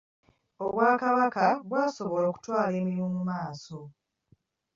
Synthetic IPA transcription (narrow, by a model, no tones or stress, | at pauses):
oβwaːkaβakaβwaːso̞βo̞loːku̥twaːle̞ːmiimomumaːso̞